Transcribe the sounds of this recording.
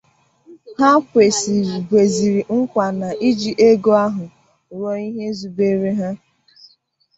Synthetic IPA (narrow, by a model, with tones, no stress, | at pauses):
ha˦kʷe˨si˨bʷe˨zi˨ɾi˨ŋ̩˦kʷa˨na˨ʔi˦d͡ʒi˨ʔe˦ɡo˦a˦ɦʊ˨ | ɾɔ˦i˦ɦe˦zu˨be˦ɾe˦ɦa˦